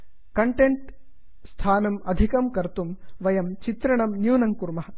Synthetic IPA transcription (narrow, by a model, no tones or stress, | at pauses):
kɐɳʈeɳʈ | st̪ʰaːnɐmɐd̪ʱikɐmkɐɾt̪umʋɐjɐmt͡ʃit̪ɾɐɳɐmnjuːnɐŋkuɾmɐɦɐ